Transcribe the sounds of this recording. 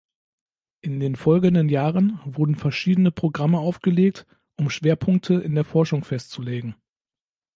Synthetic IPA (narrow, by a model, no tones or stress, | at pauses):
ʔɪndeːnfɔlɡədənjaːʁənvʊɐdn̩fɛɐʃiːdənəpʁ̥oɡʁaməaʊfɡ̥əleːk̚t | ʔʊmʃv̥eːɐpʰʊŋk̚tʰəɪndeːɐfɔɐʃʊŋfɛstt͡suleːɡŋ̩